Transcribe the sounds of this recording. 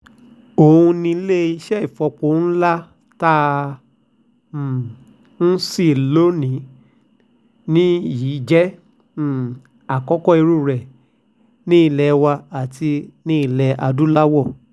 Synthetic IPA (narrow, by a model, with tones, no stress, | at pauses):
o˨hũ˧nĩ˧˦le˦i˧ʃɛ˦i˨fɔ˧k͡po˨˦n̩˦la˦ | ta˦˨ | n̩˦si˦˨lo˦nĩ˨˦ | nĩ˦jiː˨˦d͡ʒɛ˦˨ | a˨kɔ˦kɔ˦i˧ɾu˦˨ɾɛ˨ | nĩ˦i˦˧˨lɛ˧wa˧a˨tʰi˧nĩ˦i˦˧˨lɛ˧ʔa˧du˦la˦wɔ˦˨